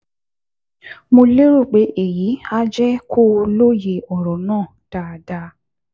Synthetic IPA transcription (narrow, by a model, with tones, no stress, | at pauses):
mõ˧le˦ɾu˦˨k͡pe˨˦ʔe˦˨ji˨˦a˦d͡ʒɛ˦kʰo˦˧lo˦je˧ɔ˨ɾɔ˨nãː˦˨ta˨da˧